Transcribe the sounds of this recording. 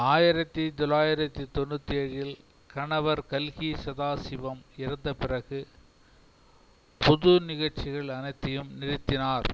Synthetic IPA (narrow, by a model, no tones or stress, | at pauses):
aːjɪɾɐt̪ːit̪ɔlaːjɪɾɐt̪ːit̪ɔnːɯt̪ːiɐɻɪl | kɐɳɐʋɐɾkɐlɣisɐðaːsɪʋɐmɪɾɐnd̪ɐpɪrɐɣɯ | pɔðʊnɪɣɐɭt͡ʃɪɣɐɭɐnɐɪt̪ːɐjɯmnɪɾɪt̪ːɪnaːɾ